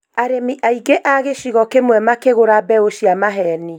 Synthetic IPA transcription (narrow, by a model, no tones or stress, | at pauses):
aɾemiʔaiɡeʔaɣeʃiɣɔkemwɛmakeɣoɾabɛoʃiamaɦɛni